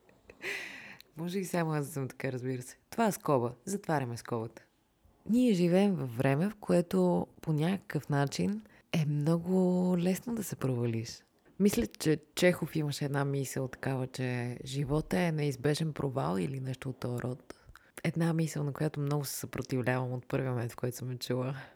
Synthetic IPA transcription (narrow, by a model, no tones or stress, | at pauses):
mɔʒɛbisamoasd̪ɐsəmt̪ɐ̥kaɾəzbiɾəsɛ̥t̪ovaɛskɔbəzɐt̪vaɾʲɐmɛskɔbət̪ə̥ | nʲiɛʒivɛːmvɐfːɾɛmɛfkoɛt̪oponʲakə̥kəfnat͡ʃin | ɛmnɔɡʊlɛsnod̪ɐsɛpɾovɐliʃ | mislʲət͡ʃɛt͡ʃɛxofiməʃɛɛːd̪namisəlˠt̪ɐ̥kavət͡ʃɛʒivɔt̪əɛnɛizbɛʒɛnpɾʔova̰lˠilinɛʃt̪oːt̪ːɔɾʔɔt̪ | ɛd̪namisəlˠnɐkojat̪omnɔɡʊsɛ̥sɐpɾot̪ivlʲavəmot̪̚pɤɾvʲimomɛnt̪fkoɛt̪o̥səmɛt͡ʃulˠə